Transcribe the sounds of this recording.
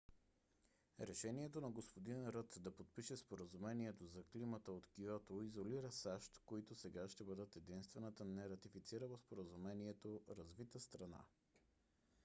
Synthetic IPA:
ɾɛʃɛniɛt̪onɐɡospod̪inɛnɾɤt̪d̪ɐpot̪̚piʃɛspoɾəzumɛniɛt̪ozɐklimət̪əot̪kiɔt̪oizoliɾəsaʃt̪koit̪osɛɡaʃt̪ɛbɤd̪ət̪ɛd̪inst̪vɛnət̪ənɛɾɐt̪ifit̪siɾəvəspoɾəzumɛniɛt̪oɾɐzvit̪əst̪ɾɐna̰

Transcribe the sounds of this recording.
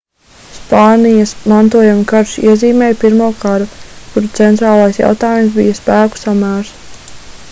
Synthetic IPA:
spɑːnijɐsmant̪uɔjamukaɾʃḭɛziːmɛːjpiɾmuɔːkaɾukuɾut̪sɛnt̪ɾaːlˠajsja̰wt̪aːjums̬bijɐspæːku̥samæːɾs

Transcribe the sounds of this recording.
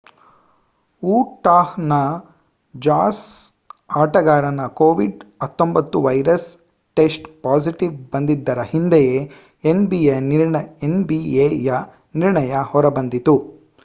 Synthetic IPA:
uːʈaːhnɐ | d͡ʒaːs | aːʈɐɡaːɾɐnɐkoːʋiɖɐt̪ːombɐt̪ːuʋɐjɾɐs | ʈesʈpaːsiʈiʋbɐnd̪id̪ːɐɾɐhind̪eje | enbieniɾɳɐenbiejɐ | niɾɳɐjɐhɔɾɐbɐnd̪it̪u

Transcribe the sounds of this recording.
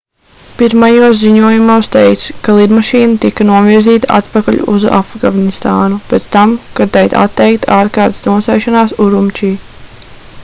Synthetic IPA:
piɾmajuɔsziɲuɔjumuːst̪ejkt̪skalˠid̪maʃiːnɐt̪ikanuɔviɾziːt̪aʔa̰t̪pakaʎṵʔṵza̰fɡavnist̪aːnub̥ɛt̪st̪amkat̪ajt̪a̰t̪ːɛjkt̪aːɾkaːɾt̪snuɔsɛjʃanaːsuɾumt͡ʃiː

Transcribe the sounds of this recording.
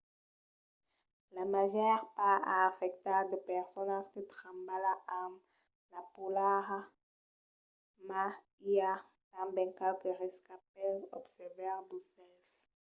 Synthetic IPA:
lamaʒɛʁpaa̰ːfɛk̚t̪aʁd̪əpɛʁsonaskət̪ʁãmbalaʔam | lapulaʁa | ma | ia | t̪ãmbɛ̃ŋkɛlkəʁeskap̚ɛsɔ̰bsɛvɛʁd̪usɛls

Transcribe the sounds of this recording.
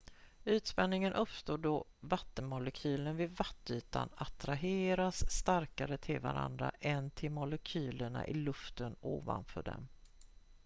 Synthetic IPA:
ʉ̟ːt̪spɛnːɪŋənʔɵpst̪oːɖɔvat̪ːənmʊlɛkʰyːlənvɪd̪vat̪ːyːt̪a̰nat̪ɾaɦeːɾasːt̪aɾkaɾət̪ʰɪlvaɾa̰nd̪ɾa̰ʔɛnt̪ʰɪlmʊlɛkʰyːləɳa̰ʔɪlɵft̪ənoːva̰nfœːɖɛ̰m

